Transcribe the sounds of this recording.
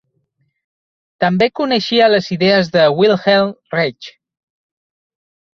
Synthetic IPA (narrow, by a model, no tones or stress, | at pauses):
t̪əmbekunəʃiələziðeəzðəwilˠxelˠrɛt͡ʃ